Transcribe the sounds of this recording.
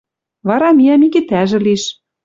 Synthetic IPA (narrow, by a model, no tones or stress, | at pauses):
βɑɾɑmiɑmikit̪æʒɘ̆liʃ